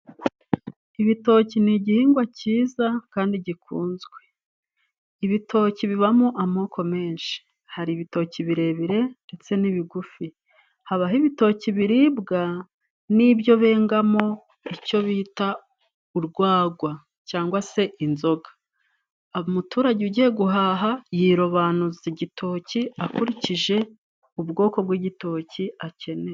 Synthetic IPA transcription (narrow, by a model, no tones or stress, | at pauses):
iβito̞ːciniɟihiːŋɡwaciːzakaːndiɟikuːnzɡwe̞ | iβitʰo̞ːciβiβamoʔamo̞ːkʰo̞me̞ːnʃi̥ | haɾiːβito̞ciβiɾe̞βiɾe̞nde̞t͡se̞niβiɡufi | haβaɦiβito̞ciβiɾiːbɡa | nibjo̞βe̞ːŋɡamo̞ | ico̞βiita | uɾɡwaːɡwa | caːŋɡwase̞ʔinzo̞ɡḁ | mutuːɾaɟiuɟijeɡuɦaːɦajiɾoβanuziɟitʰo̞ːciakuɾiciʒe̞ | ubɡo̞ːko̞bɡwiɟito̞ːciace̞ne̞